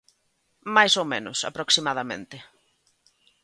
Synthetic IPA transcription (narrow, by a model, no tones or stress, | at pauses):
majsowmenʊ̰sa̰pɾoksimaðamḛ̃nt̪ɪ